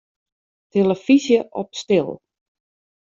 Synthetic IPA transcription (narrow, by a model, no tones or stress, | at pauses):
tʰeləfizjəʔɔp̚stɪlˠ